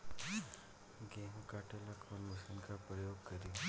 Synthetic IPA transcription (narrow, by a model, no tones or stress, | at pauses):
ɡeːmkaʈelakʰənməsənkapɾəjoːɡkɐɾiː